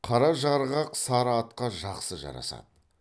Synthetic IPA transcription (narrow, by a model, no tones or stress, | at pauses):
qʰɑɾɑʒɑɾʁɑqsɑɾɑt̪qɑʒɑqsəʒɑ̰ɾɑ̰sɑ̰d̪ə